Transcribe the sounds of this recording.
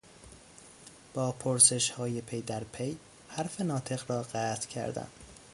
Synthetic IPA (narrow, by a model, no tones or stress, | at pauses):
b̥ɒːpʰoɾse̞ʃhɒːje̞pʰejd̪æɾpʰej | hæɾfenɒːt̪ʰe̞ɣɾɒːɢæːt̪ʰcʰæ̰ɾd̪æ̰n